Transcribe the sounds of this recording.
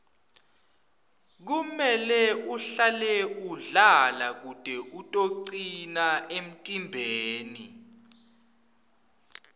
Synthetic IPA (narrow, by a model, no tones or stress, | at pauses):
k̬umɛlɛuɬalɛuɮalak̬ud̥ʱɛʔutʼoǀinaʔem̩tʼimbʱeːni